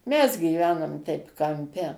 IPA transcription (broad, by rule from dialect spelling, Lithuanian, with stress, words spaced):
ˈmʲɛs ɡʲiːˈʋʲæːnoːm ˈtʲɛɪp kɐmʲˈpʲɛ